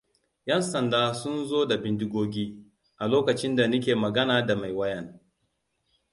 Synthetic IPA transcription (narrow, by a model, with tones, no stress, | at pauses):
jɛ˦nsɐ˨ndaː˦sʊ˦nzoː˦da˨bɪ˦ndɪ˦ɡʷoː˦ɡʲiː˦ | ʔa˨loː˦kɐ˨t͡ʃɪ˦nda˨nʊ˦k̬ʲeː˨mɐ˨ɡɐ˦naː˨da˨ma˨jwɐ˦jɛ˨ŋ